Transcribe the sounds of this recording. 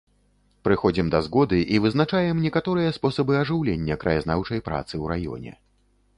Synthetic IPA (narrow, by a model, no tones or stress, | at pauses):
pɾɨxɔd͡zʲimd̪ɐzɣɔd̪ɨʔivɨznat͡ʂajɛmnʲɛkat̪ɔɾɨjɐspɔsɐbɨɐʐɨwlʲenʲːɐkɾɐjaznawt͡ʂɐjpɾa̰t̪sɨwɾajɔ̰nʲɛ̰